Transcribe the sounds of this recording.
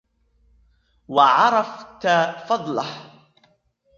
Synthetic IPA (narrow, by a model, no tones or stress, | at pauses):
wɑʕɑɾˤɑft̪afɑd̪ˤlɑh